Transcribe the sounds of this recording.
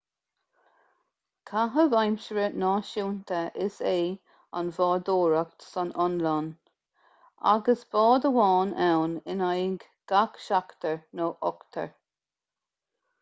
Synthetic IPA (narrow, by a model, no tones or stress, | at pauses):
kʰaɦəvajmʃəɹənɑːʃuːnt̪əʔɪseː | a̰nvɔːd̪oːɹak̚t̪sɔnɔnlan | a̰ɡəsb̥ɔːd̪əwɑːnɛwnɪnajɪŋɡ | ɡ̥akʃakt̪əɹnoːʔɔkt̪ʰə̰ɹ